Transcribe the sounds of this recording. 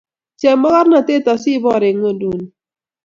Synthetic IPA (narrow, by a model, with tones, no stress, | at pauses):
t͡ʃɛ˨ma˦ka˦ɾna˨te˦˨ta˨si˦bɔ˦˨ɾɪ˨ŋo˦du˨n˨